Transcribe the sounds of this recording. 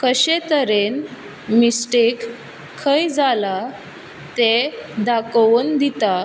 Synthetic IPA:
kəɕet̪əɾen | misʈikʰː | əjd͡zala | t̪ed̪akʋənd̪it̪a

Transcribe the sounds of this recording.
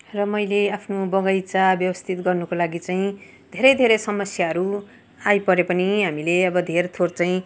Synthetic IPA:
rʌmʌjleapʰnobʌɡʌjt͡sabjʌbʌst̪ʰit̪ɡʌrnukolaɡit͡saĩ | d̪ʱeɾʌjd̪ʱeɾʌsʌmʌsjaɦʌɾu | ajpʌɾepʌniɦamileʌbʌd̪ʱeɾt̪ʰort͡saĩ

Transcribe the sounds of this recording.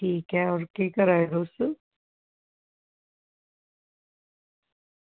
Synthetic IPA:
ʈʰiːkɦɛɔːɾkeːkəɾaːed̪oːsə

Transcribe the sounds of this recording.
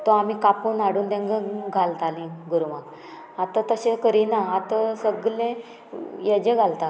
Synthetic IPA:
t̪ɔamikapuːnaɽuːnt̪ãŋɡə̃ɡʱalt̪alĩɡuɾuma | at̪ãt̪əɕẽkəɾinaːt̪asəɡlẽ | jed͡ʑẽɡʱalt̪a

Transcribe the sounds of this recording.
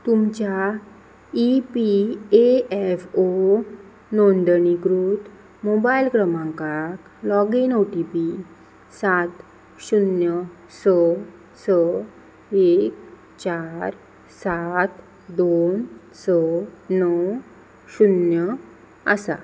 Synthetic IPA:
t̪umt͡ɕja | ipieɛfo | nond̪əniɡɾuːt̪ | mobailkɾəmãŋkak | lɔɡinoʈipi | sat̪ | ɕunjə | sə | sə | ek | t͡ɕaɾ | sat̪ | d̪on | sənəw | ɕunjə | ə̰sa̰

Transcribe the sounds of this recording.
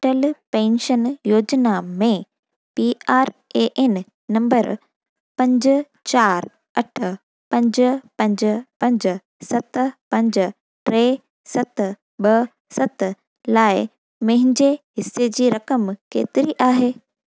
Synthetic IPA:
ʈəlpẽːnʃənjoːd͡ʑnamẽ | piaːɾeʔen | nɐ̃mbəɾ | pɐ̃ɲd͡ʑ | t͡ɕaːɾ | ɐʈʰə̆ | pɐ̃ɲd͡ʑpɐ̃ɲd͡ʑpɐ̃ɲd͡ʑʊ̆ | sɐt̪pɐ̃ɲd͡ʑ | ʈɾeː | sɐt̪ | ɓɐ | sɐt̪ | laːɪ | mɐ̃ɦɪ̃ɲd͡ʑeɦɪsːed͡ʑiːɾɐkəmkḛːt̪ɪɾiʔaːɦeː

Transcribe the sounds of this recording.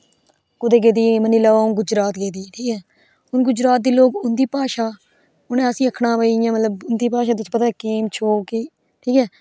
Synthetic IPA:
kʊd̪eːɡeːd̪iːmənːiːlaːaːʊnɡʊd͡ʒɾaːt̪ɡeːd̪iːʈʰiːkɛː | ʊnɡʊd͡ʒɾaːt̪̚d̪iːloːkʊnd̪iːpaːʃaː | ʊnẽəsĩːəkʰɽãːʋəːijãːmət̪ləbʊnd̪iːpaːʃaːt̪ʊspət̪aːkeːmt͡ʃʰoːkiː | ʈʰiːkɛː

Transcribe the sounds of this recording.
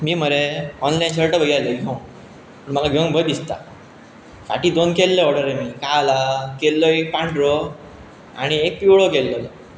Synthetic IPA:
miːməɾeɔnlajnɕəɭʈəbəɡjaləɡʱeũ | pəɳməlaɡʱẽw̃bʱəd̪ist̪a̰ | sa̰ʈiːd̪onkelːəɔɽəɾemiːkalakelːɔek̚pãɳʈɾɔ | aɽ̃iek̚piɭokelːɔlɔ

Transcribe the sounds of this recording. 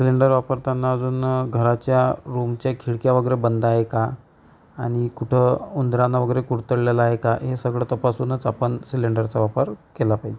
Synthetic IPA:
siliɳɖəɾʋapəɾt̪janːaəd͡zuːnɡʱəɾat͡ɕjaɾumt͡ɕjakʰiɭkjaʋəɡəɾebənd̪aɦeka | aɽ̃ikuʈʰəund̪ɾanːaʋəɡəɾekuɽt̪əɽlalaaɦekaɦesəɡɭət̪əpasunət͡sapəɳsiliɳɖəɾt͡saʋapəɾkelapaɦid͡ʑe

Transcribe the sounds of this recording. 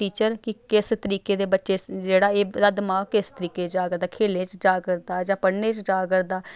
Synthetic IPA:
ʈiːt͡ʃəɾkɪkɪst̪əɾiːkeːd̪eːbətːʃeːd͡ʒeːɽaːeːd̪aːd̪əmaːkɪst̪əɾiːkeːd͡ʒaːkəɾd̪aːkʰeːlẽːt͡ʃd͡ʒaːkəɾd̪aːd͡ʒãːpəɽneːt͡ʃd͡ʒaːkəɾd̪aː

